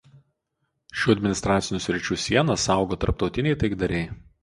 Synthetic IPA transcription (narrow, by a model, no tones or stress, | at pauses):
ʃʲuːɐd̪ʲmʲɪnʲɪst̪ɾɑːt̪sʲɪnʲuːˑsʲɾʲɪt͡ʃʲuːsʲiɛnɐsɑˑʊɡoːt̪ɐɾp̚t̪ɒʊt̪ʲɪnʲɛɪt̪ɐɪɡd̪ɐɾʲɛɪ